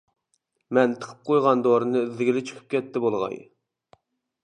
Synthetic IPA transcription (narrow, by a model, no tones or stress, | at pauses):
mɛnt̪ʰə̥qʰə̥p̚qʰojʁɑnd̪oɾɨnɨzɪɡʲɪlɪt͡ʃʰy̥kʰy̥p̚kʲʰɛt̪ʰːɪbolˠʁɑ̰j